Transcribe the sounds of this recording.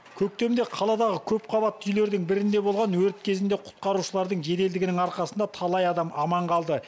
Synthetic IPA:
kʲʰɵk̚t̪e̞md̪e̞qʰɑlˠɑd̪ɑʁəkʲʰɵpqʰɑβɑt̪ːʏjle̞ɾd̪ɪŋbɪɾɪnd̪e̞bolˠʁɑnwɵɾt̪kʲʰe̞zɪnd̪e̞qʰʊ̥t̪̚qɑɾuʃəlˠɑɾd̪əɴʒe̞t̪eld̪ɪɡɪnɪŋɑɾqɑsənd̪ɑt̪ʰɑlˠɑjɑd̪ɑmɑmɑɴqʰɑlˠd̪ə

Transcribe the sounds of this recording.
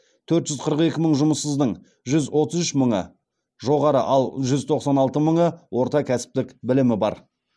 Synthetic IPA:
t̪ʰɵɾt̪ʒʏzqʰəɾəqe̞kʲɪməɴʒʊməsːəzd̪əɴ | ʒʏzwo̞t̪əzʏʃməɴə̰ | ʒo̞ʁɑɾə̰ʔɑlˠʒʏzt̪ʰo̞qsɑnɑlˠt̪əməɴəwo̞ɾt̪ɑkʲʰæsɪ̥p̚t̪ɪkbɪlɪmɪbɑ̰ɾ

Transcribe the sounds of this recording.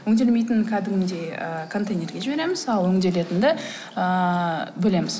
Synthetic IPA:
ɵŋd̪e̞lme̞jt̪ɪnkʲʰæd̪ɪmɪd̪e̞ə̰kʰo̞nt̪ejnʲe̞rɡʲe̞ʒɪbe̞ɾe̞mɪz̥ɑlˠɵŋd̪e̞le̞t̪ɪnd̪ɪ | əbɪle̞mɪz̥

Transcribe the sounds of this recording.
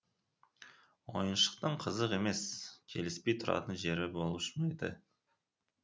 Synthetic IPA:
wo̞jənʃə̥q̚t̪əɴqʰəzəqe̞me̞skʲʰe̞lɪspe̞jt̪ʰʊɾɑ̰t̪ənʒe̞ɾɪbolˠəʃɪnɑjd̪ə̰

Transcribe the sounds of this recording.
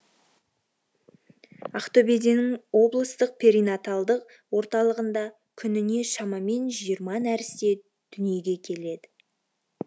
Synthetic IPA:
aχt̪o̞pe̞d̪inɪŋwo̞blˠəst̪əq̚pʰe̞ɾijnat̪alˠd̪əq̚ | wo̞ɾt̪ɑlˠəʁənd̪ɑ | kʲʰʏnɪne̞ʃɑmɑme̞nʒijəɾmɑnæɾɪst̪e̞ | d̪̥ʏnije̞ɡʲe̞kʲʰe̞le̞d̪ɪ

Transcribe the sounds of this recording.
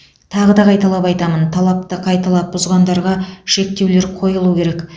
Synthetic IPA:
t̪ʰɑʁəd̪ɑqʰɑjt̪ɑlˠɑpɑjt̪ɑmənt̪ʰɑlˠɑp̚t̪əqʰɑjt̪ɑlˠɑt̪̚bʊzʁɑnd̪ɑɾʁɑʃe̞k̚t̪e̞wle̞ɾqʰo̞jəlˠukʲʰe̞ɾe̞k

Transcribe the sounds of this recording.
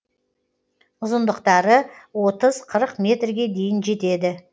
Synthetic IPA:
ʊzənd̪əqt̪ɑɾəwo̞t̪əzqʰəɾəqmʲe̞t̪rɡʲe̞d̪e̞jɪnʒe̞t̪e̞d̪ɪ

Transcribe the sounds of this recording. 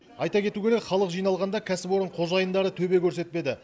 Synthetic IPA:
ɑjt̪ɑkʲʰe̞t̪ukʲeɾekʲχɑlˠəqʒijnɑlˠʁɑnd̪ɑkʲʰæsɪpwo̞ɾəɴqʰo̞zɑjənd̪ɑɾət̪ʰɵbe̞kʲʰɵɾse̞t̪̚pe̞d̪ɪ

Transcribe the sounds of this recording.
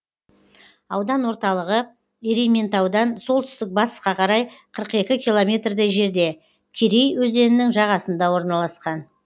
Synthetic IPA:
ɑwd̪ɑnwo̞ɾt̪ɑlˠəʁə | eɾime̞nt̪ɑwd̪ɑnso̞lˠt̪ʏ̥st̪ɪk̚bɑst̪ə̥sqɑqʰɑɾɑjqʰəɾəqe̞kʲɪkʲʰijlˠo̞mʲe̞t̪rd̪ɪʒe̞ɾd̪e̞ | kʲʰeɾejwɵze̞nɪnɪŋʒɑʁɑsənd̪ɑwo̞ɾnɑlˠɑsqɑn

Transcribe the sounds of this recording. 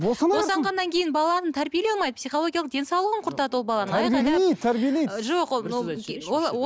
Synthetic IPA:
bosɑnoɑʁɑnːɑŋkʲʰe̞jɪnbɑlˠɑnənt̪ʰæɾbijelɑlˠmɑjd̪əpsijχo̞lˠo̞ɡʲijɑlˠəqd̪e̞nsɑwlˠəʁəɴqʰʊɾt̪ɑd̪əwobɑlˠɑnəɴæɾbieej̪t̪ʰæɾbijelej̪ʒo̞qwooo

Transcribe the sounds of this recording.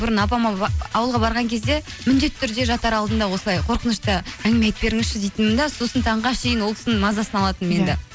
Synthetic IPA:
bʊɾənɑp̬ɑmɑɑwəlˠʁɑbɑɾʁɑŋkʲʰe̞zd̪e̞ | mʏnd̪e̞t̪ʰːʏɾd̪e̞ʒɑt̪ɑɾɑlˠd̪ənd̪ɑwo̞səlˠɑjqʰo̞ɾqənəʃt̪əæŋɡɪmet̪be̞ɾɪŋɪzʃɪd̪ejt̪ɪnmɪnd̪ɑsusənt̪ʰɑɴʁɑʃejɪnwo̞lˠk̪ʰʲɪ̥səmɑzɑsənɑlˠɑt̪ənme̞nd̪ɪ

